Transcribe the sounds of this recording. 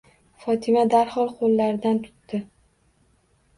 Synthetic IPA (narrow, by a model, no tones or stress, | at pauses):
fɒt̪ʰɪmad̪aɾχɒlˠqʰolːaɾɪd̪ant̪ʰʊ̥t̪ːɪ